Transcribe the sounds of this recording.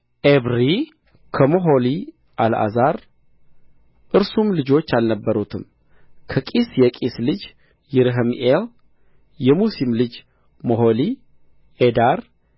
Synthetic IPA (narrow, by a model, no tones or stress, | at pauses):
ʔeβɾi | kʰəmoɦo̞li | ʔala̰zaɾ | ʔɨɾsumlɨd͡ʒo̞t͡ʃːalnəbːəɾut̪ʰɨm | kʰəkʼisjɛkʼislɨd͡ʒ | jɪɾɦəmʔel | jɛmusimlɨd͡ʒ | moɦo̞li | ʔed̪aɾ